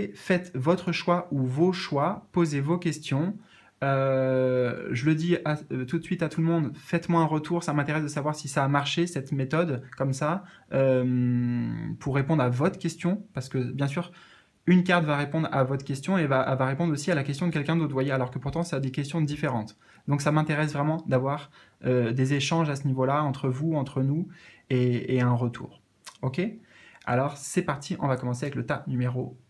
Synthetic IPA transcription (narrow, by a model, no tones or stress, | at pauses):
fɛt̪vɔt̪χəʃwaʔuvoʃwapozevokʲɛst̪jɔ̃ | ø | ʒələd̪iat̪ut̪sɥit̪at̪uləmɔ̃d̪fɛt̪mwaɛ̃ʁət̪ʰuʁsamɛ̃t̪eʁɛsd̪əsavwaʁsisaːmaʁʃesɛt̪met̪ɔd̪kɔmsa | øm | pʰuʁːepɔ̃d̪ʁavɔt̪χkʲɛst̪jɔ̃paʁsə̥kəbjɛ̃s̬yːʁ | ynkaʁt̪vaʁepɔ̃d̪ʁa̰vɔt̪χkʲɛst̪jɔ̃evavaʁepɔ̃d̪ʁosialakʲɛst̪jɔ̃d̪əkɛlkʲɛ̃d̪ot̪vwajealɔʁkəpuʁt̪ɑ̃sɛad̪ekʲɛst̪jɔ̃d̪ifeʁɑ̃t̪ | d̪ɔ̃ksamɛ̃t̪eʁɛs̬vʁɛmɑ̃d̪avwaʁ | ød̪ezeʃɑ̃ʒasənivolaɑ̃t̪χəvuɑ̃t̪χənueːɛ̃ʁət̪ʰṵːʁ | okʲe | a̰lɔʁsɛpaʁt̪ʰiʔɔ̃vakɔmɑ̃seavɛklət̪apnymeʁo